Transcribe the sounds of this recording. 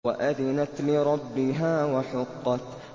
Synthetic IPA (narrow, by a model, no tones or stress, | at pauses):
a̰ʔaðɪnat̪lɪɾˤɑbːɪɦaːwaħʊqːɑt̪